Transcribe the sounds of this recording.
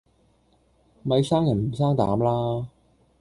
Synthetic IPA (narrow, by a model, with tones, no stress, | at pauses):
mɐ˨˧jsaː˥ŋjɐ˨˩nm̩˨˩s̬aː˥ŋt̪a̰ː˨˥mlaː˥